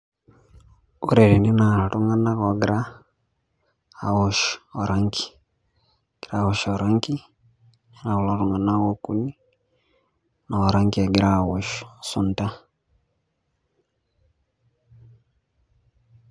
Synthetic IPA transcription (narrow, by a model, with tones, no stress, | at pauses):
u˦ɾe˨ɾi˨ni˦na˨la˨tu˦ŋa˦na˦ɣɔ˨ɡɾa˦˨ | wo˨ʃɔ˨ɾa˦ŋki̥˨ | ɡ̥i˨ɾawo˨ʃɔ˨ɾa˦ŋki˦ | i˦na˨u˨la˨ɾu˨ŋa˨na˦ɣo˦ku˦ni˦ | na˨a˨ɾa˦ŋki˦a˨ɡi˨ɾa˦˨wo˨ʃsu˨nta˦